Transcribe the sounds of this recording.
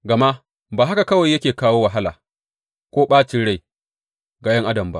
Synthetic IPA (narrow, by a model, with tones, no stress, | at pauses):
ɡɐ˨ma˦ʔ | baː˨ɦa˦ka˨kɐ˦wa˨jːɐ˦kʲeː˨kaː˦woː˦wa˨ɦa˦laː˨ | kʷoː˦ɓaː˦t͡ʃɪ˦ɽa˦˨j | ɡa˨jɐ˦ŋʔa˦dɐ˨mba˦ʔ